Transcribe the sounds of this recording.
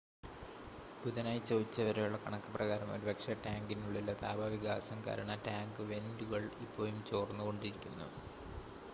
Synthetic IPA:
buðɐnaːjt͡ɕːoːʋit͡ɕːɐʋɐɾejuɭːɐkɐɳɐkːɨ̥prɐɣaːɾɐmo̞̰ɾubɐkʂɐʈaːŋɡinuɭːilːɐt̪a̰ːbɐʋiɡa̰ːsɐmka̰ːɾɐɳɐʈaːŋɡɨʋe̞nduɣɐɭipːo̞ːjumt͡ɕo̞ːrnːuko̞ɳɖiɾikʲːunːṵ

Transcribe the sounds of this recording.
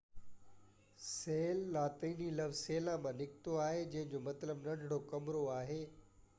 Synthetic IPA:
seːlːaːt̪iːnilɐʋzseːlãmãnɪkɪt̪oaːɦed͡ʑɐ̃ɦɪ̃ɲd͡ʑomɐt̪ləbnɐ̃ɖʱɽokɐmɾoaːɦeː

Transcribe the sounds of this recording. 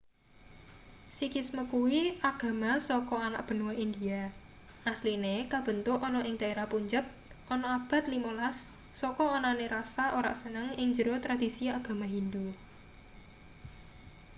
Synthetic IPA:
sikisməkuwiaɡ̥ä̤masɔkɔana̰ʔb̥ə̤nuwaʔind̪ia | ʔaslinekab̥ə̤nt̪ʊʔɔnɔʔɪŋd̪̥a̤eɾahpuɲd͡ʒəp̚ | ʔɔnɔab̥a̤t̪limolasː | ɔkɔːnaneɾasaʔoɾa̰ʔsənəŋɪŋd͡ʒəɾot̪ɾad̪̥i̤siaɡ̥a̤maɦind̪u

